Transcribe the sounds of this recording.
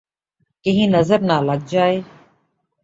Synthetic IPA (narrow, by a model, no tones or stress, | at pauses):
kɪɦĩːnəzəɾnaːləɡ̚d͡ʒaːeː